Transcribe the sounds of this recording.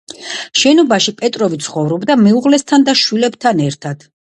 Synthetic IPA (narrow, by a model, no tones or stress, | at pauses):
ʃɛnɔbaʃipʼɛt̪ʼɾɔvit̪sʰχɔvɾɔbd̪amɛuʁlɛst̪ʰand̪aʃwilɛbt̪ʰanɛɾt̪ʰad̪̥